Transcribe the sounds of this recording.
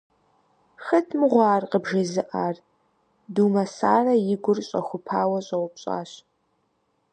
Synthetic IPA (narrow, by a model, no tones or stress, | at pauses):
xɐtʰmɨʁʷɑːrqəbʒɐzɨʔaːr | duːmɐsaːrɐjɪɡʷʊrɕʼɐ̰xʷʊpʰaːwɐɕʼɐwʷʊpɕʼa̰ːɕ